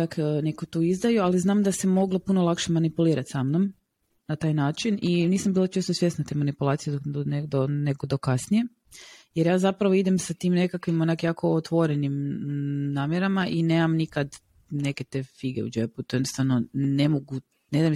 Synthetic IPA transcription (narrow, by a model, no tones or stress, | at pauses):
akːnekot̪uːizd̪ajualiznaːmd̪asemo̞ɡlopunolˠakʃemanipuliːɾat̪samnom | nat̪aːjnaːt͡ʃininiːsambiːlot͡ʃeːst̪osʋjesnat̪emanipulˠaːt̪sijeoneɡd̪oneɡod̪okasnije̞ | jeɾjaːzapɾaʋoid̪emsat̪iːmne̞kakʋimonakjaːko̞ot̪ʋoɾenim | naːmjeɾamaʔineːmamnikad̪ | ne̞ket̪efiɡeṵd͡ʒeput̪ojd̪nost̪ʋaʋnonemoɡu | ned̪ajm